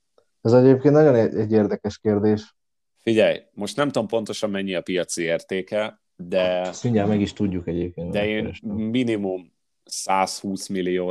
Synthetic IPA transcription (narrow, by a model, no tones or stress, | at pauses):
ɛzɛɟeːp̚keːnt̪nɒɟo̞nɛɛɟːeːrd̪ɛkɛʃkeːrd̪eːʃ | fiɟɛjmo̞ʃt̪nɛmt̪ompo̞nt̪o̞ʃɒmmɛɲːiɒpijɒt̪sieːrt̪eːkɛ | d̪ɛst̪miɲɛːlmɛɡiʃt̪uɟːukɛɟeːp̚keːnd̪ɛeːnʃminimum | saːshuːsmilijoː